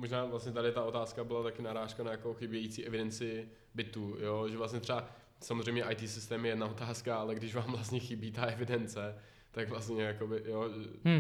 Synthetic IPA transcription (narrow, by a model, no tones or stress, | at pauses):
moʒnaːvlast̪ɲɛt̪̬adɪt̪ao̞t̪aːskabɪlat̪akɪnaɾaːʃkanajako̞xɪbɪjɛjit͡siːɛvɪdɛnt͡sɪ | bɪt̪uːjoʒɛvlast̪ɲɛt̪r̥ɛba | samozrɛjmɲɛʔajt̪iːsɪst̪ɛːmjɛjɛdnao̞t̪aːskaalɛɡdɪʃvaːmvlast̪ɲɛxɪbiːt̪aʔɛvɪdɛnt͡sɛ | t̪aɡvlast̪ɲɛjako̞bɪjoʒɛ